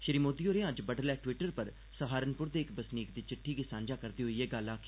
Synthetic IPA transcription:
ʃɪɾiːmoːd̪iːoːɾeãːd͡ʒbəɖəlɛːʈʋɪʈəɾpəɾ | səɦaːɾənpʊɾd̪eːɪkbəsniːkd̪iːt͡ʃɪʈʰːiːɡisãːnd͡ʒaːkəɾd̪iːɦoiːɛːɡalaːkː

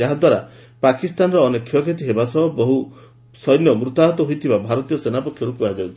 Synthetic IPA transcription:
aɦad̪waɾa | pakist̪anɔɾɔːnekʰːjɔkʰet̪iɦebasɔɦɔbɔɦu | sɔjnjɔmɾut̪aɦɔt̪ɔɦojt̪ʰibabʱaɾɔt̪ijɔsenapɔkʰjɔɾukuad͡ʒawt̪ʰi

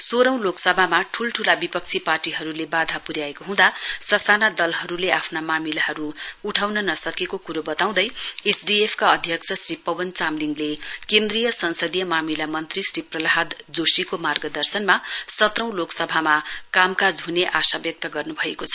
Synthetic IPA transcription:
soɾʌ̃w̃loksʌbʱamaʈʰulʈʰulabipʌk̚t͡sʰiparʈiɦʌɾulebad̪ʱapuɾjaekoɦũd̪asʌsanad̪ʌlɦʌɾuleʔapʰnamamilaɦʌɾuːʈʰawnʌnʌsʌkekokuɾobʌt̪aw̃d̪ʌjesɖiepʰkaʌd̪ʱjʌkt͡sʰʌsripʌwʌnt͡samliŋɡlekend̪rijʌsʌnsʌd̪ijʌmamilamʌnt̪risriprʌlaɦad̪d͡zosikomarɡʌd̪ʌrsʌnmasʌt̪rʌ̃w̃loksʌbʱamakamkad͡zɦuneʔasabjʌk̚t̪ʌɡʌrnubʱʌekot͡sʰʌ̥

